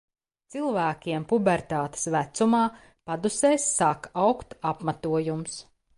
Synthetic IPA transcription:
t̪silˠvæːkʲiɛmpubɛɾt̪aːt̪e̥svæt̪sumaː | pad̪useːsːakawkt̪apmat̪uɔjums

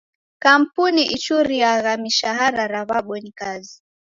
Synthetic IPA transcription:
kam̩puniʔit͡ʃuɾijaɣamiʃaɦaɾaɾaβaɓɔnikazi

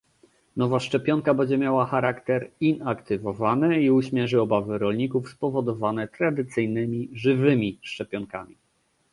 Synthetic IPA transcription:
nɔvaʂt͡ʂɛpʲjɔŋkabɛɲd͡ʑɛmʲjawaxaɾakt̪ɛɾinakt̪ɘvɔvanɛiuɕmʲjɛʐɘɔbavɘɾɔlɲikufspɔvɔd̪ɔvanɛt̪ɾad̪ɘt̪sɘjnɘmʲiʐɘvɘmʲiʂt͡ʂɛpʲjɔŋka̰mʲi

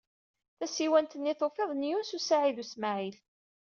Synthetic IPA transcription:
θæsiwænt̪ənːiθofeðˤnjunsusaʕiðusmaʕil

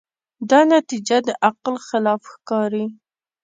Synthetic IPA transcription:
d̪ɑnat̪id͡ʒad̪əʔaqlxɪlɑfxkɑɾi

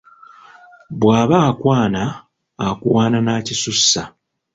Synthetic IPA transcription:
bwaːβaːkwaːnaː | kṵwaːnanaːcisusːa

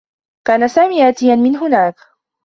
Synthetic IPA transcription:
kaːnasaːmiːʔaːt̪ɪjanmɪnɦʊnaːk

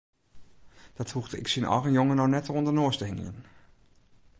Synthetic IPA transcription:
d̥ɑthuχdəʔɪ̰ksinʔɑ̰ɣənjoŋənɔxnɛtrɔndəɹnʊːɹstəɦɪŋə̰n

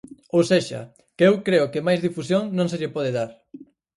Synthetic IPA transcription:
owseʃɐ̰ | keewkɾeʊkɪmajzðifusjoŋnõŋs̬eʎɪpɔð̞eðaɾ

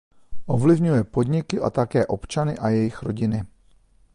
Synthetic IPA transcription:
ʔo̞vlɪvɲujɛpo̞d̪ɲɪkɪʔa̰t̪akɛːʔo̞pt͡ʃanɪʔajɛjɪxɾo̞ɟɪnɪ

